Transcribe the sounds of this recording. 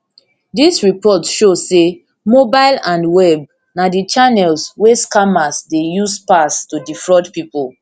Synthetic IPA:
disɹipɔtʃose | mobaɪlãndwɛb̚ | nadit͡ʃanɛlsweskamasdejuspastudifɹɔtpipul

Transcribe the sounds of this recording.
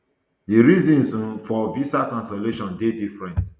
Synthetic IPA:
diɾizĩnsũfɔvisakɔ̃nsɔleʃɔ̃ndedifɹɛ̃nt

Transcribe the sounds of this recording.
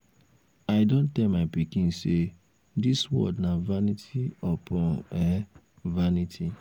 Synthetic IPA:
aɪdõntɛlmaɪpikĩnse | diswɔ̰dnavanitʰiɔpʰɔ̃nɛ | vanitʰi

